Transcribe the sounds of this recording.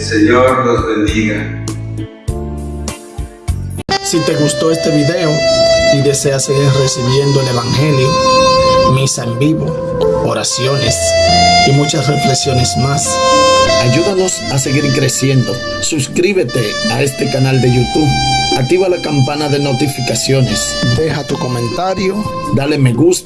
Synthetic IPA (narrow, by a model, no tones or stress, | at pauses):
seɲoɾnozβend̪iɣa | sit̪e̞ɣust̪o̞e̞st̪e̞βiðe̞oiðe̞se̞ase̞ɣiɾre̞siβje̞nd̪oele̞βaŋxe̞ljo | misaembiβo | oɾasjo̞ne̞simut͡ʃasre̞fleksjo̞ne̞smas | aʝuðano̞s | ase̞ɣiɾkɾe̞sje̞nd̪o̞ | suskɾiβe̞t̪e̞ae̞st̪e̞kanald̪e̞ʝut̪uβak̚t̪iβalakampanaðe̞no̞t̪ifikasjo̞ne̞s | d̪e̞hat̪uko̞mẽ̞nt̪aɾjo̞ | d̪ale̞me̞ɣus